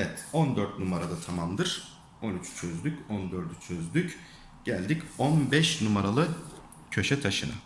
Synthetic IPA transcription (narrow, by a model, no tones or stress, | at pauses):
evɛt̪o̞nd̪øɾt̪̚numaɾad̪at̪ʰamamd̪ɯɾ̥ | o̞nyt͡ʃt͡ʃʰøzd̪ycond̪øɾd̪yt͡ʃʰøzd̪yc | ɟ̥ælʲd̪iconbɛʃnumaɾalˠɯ | cʰø̞ʃɛt̪ʰaʃɯna̰